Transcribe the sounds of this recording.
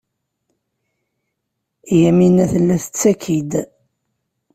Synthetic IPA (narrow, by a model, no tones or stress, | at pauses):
jæminæθəlːæθə̥t͡sːækʰid̪